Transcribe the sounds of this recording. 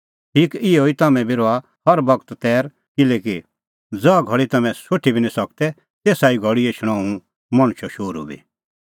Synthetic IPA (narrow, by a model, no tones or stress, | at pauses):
ʈʰiːkɪɛoːit̪ɐmɛ̃biɾoa | hɐɾbɐɡt̪t̪ɛːɾ | kɪleːki | d͡zɔaɡʱɐɽit̪ɐmɛ̃soʈʰːibʱinĩsɐk̚t̪ɛ | t̪eːsaːiɡʱɔɽieʃʰɽ̃aːũ | mɐɽ̃ʊ̃ʃɔʃoːɾṵbḭ